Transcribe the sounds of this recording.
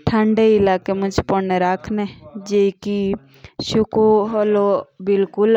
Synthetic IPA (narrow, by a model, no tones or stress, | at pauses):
ʈʰə̃ɳɖeɪlaːkemʊd͡ʒpɔneɾaːkʰned͡ʒeki | ʃʊkoɦolobɪlkʊl